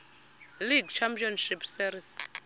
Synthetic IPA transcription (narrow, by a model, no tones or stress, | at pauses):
liɡt͡ʃʰampiɔnʃipsiɾis